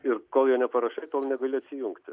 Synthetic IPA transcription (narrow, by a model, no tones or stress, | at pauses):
ɪrkoːlˠjoːnʲɛpɐɾɐʃɐɪt̪oːlˠnʲɛɡɐlʲʊɐt̪ʲsʲɪjʊŋkt̪ʲɪ